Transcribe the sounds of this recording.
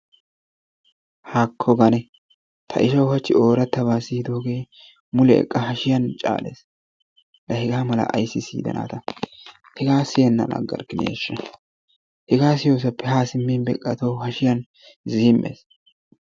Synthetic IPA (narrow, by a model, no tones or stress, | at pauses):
haːkʰːɔɡɐnɛ | t̪ʰɐʔɪʃɐwhɐt͡ʃːɪo̞ːɾɐt̪ːɐbaːsiːd̪o̞ːɡe̞ː | mʊlɛɛ̰kʼːɐɦɐʃɪjɐnt͡ʃʼa̰ːlḛːs | lɐhɛɡaːmɐlɐ̰ʔɐ̰jsːɪsḭːd̪ɐ̰nʔa̰ːt̪ɐ | hɛɡaːsɪjɛnːɐ̰lɐ̰ɡɐ̰ɾkɪnḛːʃːɐ | hɛɡaːsɪjo̞ːs̬ɐpːɛhaːsɪmːinbɛ̰kʼːɐt̪owhɐʃɪjɐn | ziːmːʔḛːs